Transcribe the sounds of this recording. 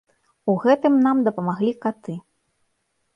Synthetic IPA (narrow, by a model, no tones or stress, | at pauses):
uɣɛt̪ɨmnamd̪ɐpɐmaɣlʲikat̪ɨ